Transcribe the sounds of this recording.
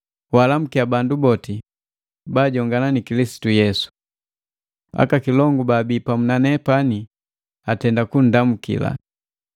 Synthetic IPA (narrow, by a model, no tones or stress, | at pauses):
walam̩kiabandubɔti | baːɟɔŋɡananikilisi̥tujɛsu̥ | a̰kakilɔŋɡubaːbiːpamunanɛpani | atɛndakun̩damukḭla̰